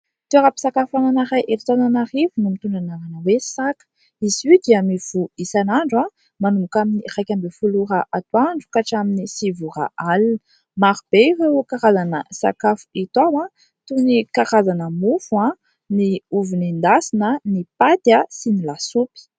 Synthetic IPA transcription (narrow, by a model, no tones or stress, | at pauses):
t̪uaɾapi̥sakafananaɾajʔeɾit̪ananaɾivunumit̪uɳɖ͡ʐanaɾanəwesakə̥ | izid̪iamivuisanaɳɖ͡ʐa | manumukaminirajkʲambefuluɾəʔat̪waɳɖ͡ʐu̥kaʈ͡ʂaminisivuɾa̰al | maɾub̥ewewkaɾazanəsa̰kafu̥it̪awã | t̪unikaʁazanəmufuã | niuvinind̪asinənipat̪jasinilasupi̥